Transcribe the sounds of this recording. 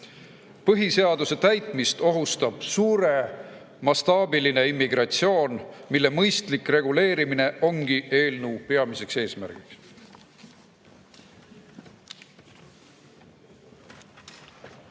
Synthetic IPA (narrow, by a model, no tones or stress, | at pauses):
pɤɦise̞ɑd̪use̞t̪æjt̪ˑmist̪o̞ɦust̪ɑb̥suːɾe̞ | mɑst̪ɑːbiline̞imːiɡ̥ɾɑt̪sio̞ːnmilːe̞mɤjst̪likre̞ɡ̥ule̞ːɾimine̞ʔo̞ŋɡ̥ie̞ːlnupe̞ɑmise̞kse̞ːsmæ̰ɾɡ̥iks